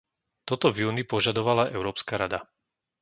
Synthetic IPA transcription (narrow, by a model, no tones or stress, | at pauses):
t̪ɔt̪ɔvjuːnipɔʒad̪ɔʋalaʔɛʊɾɔːpskaɾad̪a